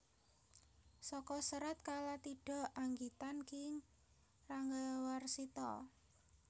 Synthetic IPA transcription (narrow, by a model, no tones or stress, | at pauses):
sɔkɔsəɾət̪̚kalat̪iɖ̥ɔ̤ʔaŋɡit̪ankɪŋ | raŋɡəwarsit̪ɔ̰